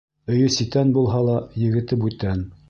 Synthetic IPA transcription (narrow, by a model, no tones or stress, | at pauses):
ɵ̆jɵsit̪ænbulˠɦɑlˠɑjɘ̆ɡɘ̆t̪ɘp̬ʉt̪æn